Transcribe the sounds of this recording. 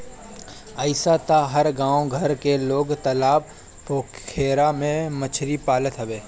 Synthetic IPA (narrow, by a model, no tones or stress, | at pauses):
əɪsat̪aɦəɾɡãːoɡʱəɾkeloːɡt̪əlaːb | poːkkʰeːɾamẽmət͡ʃʰɾipaːlət̪ɦɐʋeː